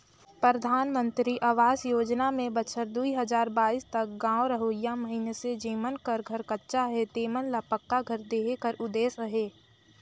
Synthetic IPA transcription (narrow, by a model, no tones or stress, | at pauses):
pɾəd̪ʱaːnmə̃nt̪ɾiʔaːʋaːsjoːd͡ʒnamẽbət͡ʃʰəɾd̪uiɦəzaːɾbaːiːst̪ɐk̚ɡãːoɾəɦoːijaməɦinesed͡ʒeːmənkəɾɡʱɐɾkɐtːʃaɦet̪eːmənlapəkːaɡʱɐɾd̪eːɦekəɾʔʊd̪eːsəɦeː